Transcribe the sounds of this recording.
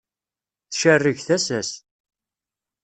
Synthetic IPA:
θʃərːəʝθæsæs

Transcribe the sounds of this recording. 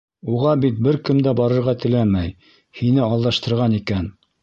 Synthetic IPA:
uʁɑbit̪̚bɘɾkɘmd̪æbɑɾɤ̆ɾʁɑt̪ɘ̆læmæj | hinɘɑlˠd̪ɑʃt̪ɤ̆ɾʁɑnikæn

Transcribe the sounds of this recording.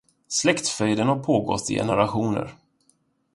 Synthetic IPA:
slɛkt̪fœjd̪ənhaɾpʰoːɡɔ̰t̪ʰːɪ̰jɛ̰nəɾaɧuːnə̰ɾ

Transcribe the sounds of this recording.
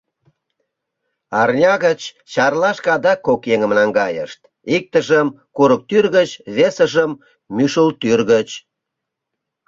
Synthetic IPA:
ɑrnʲɑɣət͡ɕ | t͡ɕɑrlɑʃkɑd̪ɑkːokjeŋəmnɑŋɡɑjə̰ʃt̪ | ik̚t̪əʒəm | kuɾək̚t̪yrɣət͡ɕβesəʒəmː | yʃəlt̪yrɣət͡ɕ

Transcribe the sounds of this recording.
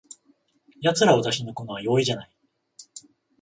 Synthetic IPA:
jat͡sɨɾaβat̪aɕino̞ko̞noβajo̞ːiʑanai

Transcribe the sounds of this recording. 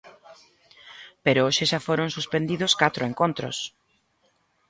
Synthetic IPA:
peɾooʃeʃafoɾõnsuspẽnd̪iðoskat̪ɾoeŋkont̪ɾo̰s

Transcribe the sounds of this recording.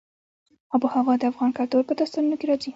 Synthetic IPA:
abuhawɑd̪əafɣɑnkɑɾd̪oɾpəd̪ast̪anunokeɾɑd͡zi

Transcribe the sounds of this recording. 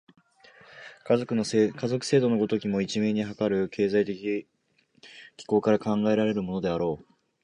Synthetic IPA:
kaokɯ̟nokʰazo̞kɯ̟̥se̞ːd̪o̞no̞ɡo̞t̪o̞kʲimo̞it͡ɕime̞ːɲ̟iɦakaɾɯ̟kʰe̞ːzait̪ekʲi | kʲi̥ko̞ːkaɾakãŋɡae̞ɾaɾe̞ɾɯ̟mo̞no̞d̪e̞aɾo̞ː

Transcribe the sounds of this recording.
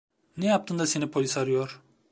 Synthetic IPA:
nɛjap̚t̪ʰɯnd̪ase̞nipʰo̞lʲisaɾɯjoɾ̥

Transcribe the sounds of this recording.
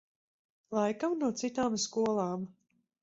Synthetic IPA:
lˠajkamnuɔt̪sit̪aːmskuɔlˠaːm

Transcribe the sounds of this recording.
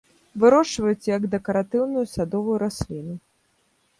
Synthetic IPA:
vɨɾɔʂvɐjut͡s̪ʲjɐɡd̪ɛkɐɾat̪ɨwnujusad̪ɔvujuɾasʲlʲinu

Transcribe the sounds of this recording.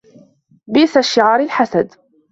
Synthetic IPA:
biːsaʃːɪʕaːɾˤɪlħasad̪

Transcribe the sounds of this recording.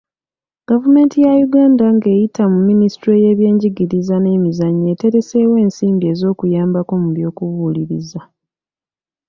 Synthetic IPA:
ɡ̥avume̞ːntijajuɡaːndaŋɡe̞ːjitamumːinistɾeje̞βje̞ːɲɟiɡiɾizane̞ːmizaɲːe̞ːte̞ɾe̞se̞ːwe̞ːnsiːmbie̞ːzo̞ːkujaːmbako̞muβjo̞ːkuvuliɾiza

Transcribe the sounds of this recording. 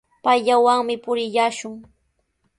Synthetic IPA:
pajʎawaŋmɪpʊɾɪʎaːʃʊŋ

